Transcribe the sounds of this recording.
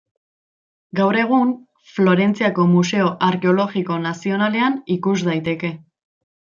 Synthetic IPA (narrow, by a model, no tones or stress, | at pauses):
ɡawɾe̞ɣ̞um | flo̞ɾe̞nt͡siako̞muse̞o̞ʔaɾke̞o̞lo̞ɣiko̞nasio̞nale̞anikuzd̪ajt̪e̞ke̞